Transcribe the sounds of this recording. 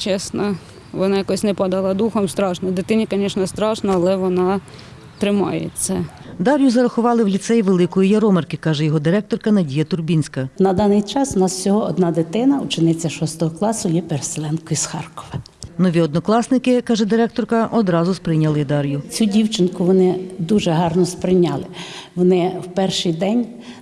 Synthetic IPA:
t͡ʃɛsnɔ | ʋɔnɑjɐkɔsʲnɛpɑd̪ɐlˠɑd̪uxɔmst̪ɾɑʃnɔd̪ɪt̪ɪnʲikɔnʲɛʃnɔst̪ɾɑʃnɔɐlˠɛʋɔnɑ | t̪ɾɪmɑ̰jḛt͡sʲːɐ | d̪ɑɾʲjʊzɐɾɐxʊʋɑlˠɪwlʲit̪sɛjʋelˠɪkɔjijɐɾɔmerkɪkɑʒɛjɔɦɔd̪ɪɾɛk̚t̪ɔrkɐnɐdʲijɐt̪ʊrbʲinʲsʲkɐnɐd̪ɑnɪjt͡ʃɑsʋnɑssʲɔɦɔɔd̪nɑd̪ɪt̪ɪnɐʊt͡ʃɪnɪt͡sʲːɐʃɔst̪ɔɦɔklˠɑsʊjɛpeɾselˠɛnkɔjisxɑrkɔ̥ʋɪ | nɔʋʲiɔd̪nɔklˠɑsnɪkɪkɑʒɛd̪ɪɾɛk̚t̪ɔrkɐʔɔd̪ɾɑzʊspɾɪjnʲɐlˠɪd̪ɑɾʲjʊt͡sʲudʲiwt͡ʃɪnkʊʋɔnɪd̪uʒɛɦɑrnɔspɾɪnʲɑlˠɪʋɔnɪwpɛrʃɪjd̪ɛnʲ

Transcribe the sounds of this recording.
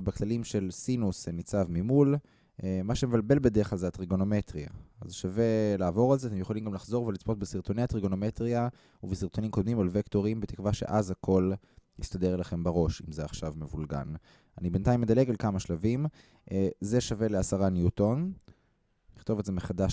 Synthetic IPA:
baklalimʃe̞lsinusenit͡savmimul | maʃeme̞valbe̞lbed̪eʁeχalzeat̪ʁiɡo̞no̞me̞t̪ʁia̰azʃave̞laːvo̞ʁalzeat̪emjeolimɡamlaχzo̞ʁvelit͡spo̞t̪̚besiʁt̪o̞neat̪ʁiɡo̞nomet̪ʁia | uvesiʁt̪o̞nimkod̪mimalvekt̪o̞ʁimbet̪i̥kvaʃe̞̰ʔazhakʰo̞l | ist̪ad̪e̞ʁelaχe̞mbaʁo̞ʃimzeaχʃavmevulɡa̰n | anibent̪ajmːed̪aleɡalkamaʃlavim | ze̞ʃave̞le̞asaʁanjuto̞n | niχt̪o̞vetzemeχadaʃ

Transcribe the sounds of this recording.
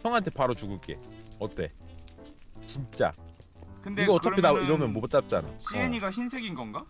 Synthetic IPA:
ʌŋɦantʰe̞paɾot͡ɕuɡɯɭk͈e̞̰ʌt͈e̞̰ | t͡ɕint͡ɕ͈a̰ | kɯndiɡʌʌt͈ʌkʰedaiɾʌmjʌnmopʌt͡ɕ͈ap̚t͡ɕ͈ana̰ɕʰieɲiɡaçinsʰe̞ɡinɡʌnɡa

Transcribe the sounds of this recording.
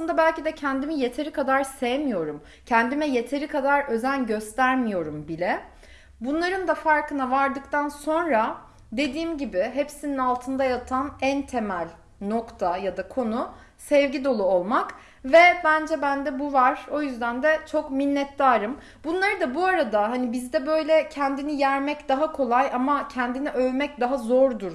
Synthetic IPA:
sˠɯnd̪abælʲcid̪ɛcʰænd̪imije̞t̪ʰe̞ɾikʰad̪aɾsejemijo̞ɾum | cʰænd̪imɛjet̪ʰe̞ɾikʰad̪aɾø̞zænɟø̞st̪ʰæɾmijo̞ɾumbilʲɛ | bunlˠaɾɯnd̪afaɾkɯnavaɾd̪ɯkt̪ʰanso̞nɾa | d̪e̞d̪iːmɟibɪɦepsininalˠt̪ʰɯnd̪ajat̪ʰanænt̪ʰe̞mælʲ | no̞kt̪ʰajad̪akʰo̞nu | sɛvɟid̪o̞lˠuo̞lˠmak | vɛbænd͡ʒɛbænd̪ɛbuvaɾ̥o̞jyzd̪ænd̪ɛt͡ʃʰo̞kminːɛt̪ːaːɾɯm | bunlˠaɾɯd̪abuaɾad̪aɦanibizd̪ɛbø̞jlʲɛcʰænd̪inijæɾmɛcd̪aɦakʰo̞lˠajamacʰɛnd̪iniʔøvmɛc̚d̪aɦazoɾd̪uɾ

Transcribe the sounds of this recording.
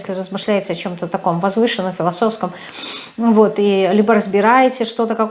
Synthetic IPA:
sʲlʲɪrəzmɨʂlʲæjɪt̪səɐt͡ɕo̞mt̪ət̪ɐko̞mvɐzvɨʂɨnːəmfʲɪlˠɐso̞fskəm | vo̞t̪ilʲibəɾəzbʲɪɾajɪtʲɪʂt̪o̞t̪əkɐk

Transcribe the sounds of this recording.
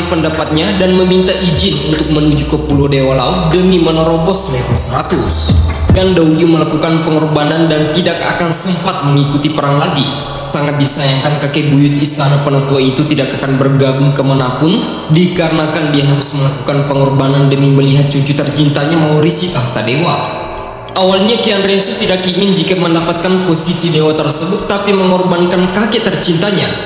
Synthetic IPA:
pəndapat̪̚ɲadanməmint̪aʔid͡ʒɪnunt̪ʊk̚mənud͡ʒukəpuludewalaʊt̪̚dəmimənɔɾɔbɔsmefansəɾat̪ʊskandauuməlakukanpəŋɔrbanandant̪idaka̰kansəmpat̪̚məŋikut̪ipəɾaŋlaɡi | saŋat̪̚disajaŋkankakebujʊt̪̚ist̪anapənɔt̪uait̪ut̪idakakanbərɡaɡʊŋkəmanapʊn | dikaɾənakandiaɦaɾʊsməlaku̥kanpəŋɔrbanandəmiməliɦat̪̚t͡ʃut͡ʃut̪ərt͡ʃint̪aɲamauɾisit̪ahk̪adewa | ʔawalɲakianɾɛnsut̪idakiŋɪnd͡ʒikaməndapat̪̚kanposisidewat̪ərsəbʊt̪ːapiməŋɔrbankankaket̪ərt͡ʃint̪aɲa

